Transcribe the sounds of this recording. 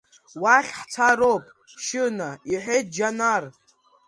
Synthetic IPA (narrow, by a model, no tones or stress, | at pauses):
waχʲħt͡sʰaɾopʼ | ʃɨnaiħʷejt̚d͡ʒanar